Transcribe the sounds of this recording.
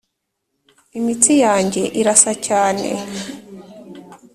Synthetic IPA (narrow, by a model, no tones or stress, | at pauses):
imitijaːɲɟe̞ʔiɾasacaːnḛ